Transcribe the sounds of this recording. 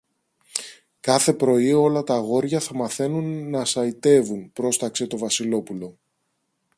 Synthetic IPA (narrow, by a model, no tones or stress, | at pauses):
kɐθe̞pɾo̞io̞lɐt̪ɐɣo̞ɾʝɐθɐmɐθe̞nunːɐsɐit̪e̞vunpɾo̞st̪ɐkse̞t̪o̞vɐsilo̞pulo̞